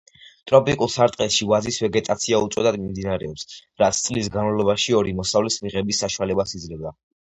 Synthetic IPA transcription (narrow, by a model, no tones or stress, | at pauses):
t̪ʼɾɔpʼikʼulˠsaɾt̪ʼqʼɛsʃivazisvɛɡɛt̪ʼat̪sʰiaut̪sʼɔd̪ad̪mimd̪inaɾɛɔpsɾat̪sʰt̪sʼlis̬ɡanmalˠɔbaʃiɔɾimɔsavlɛsmiʁɛbisːaʃualɛbasid̪zlɛvd̪a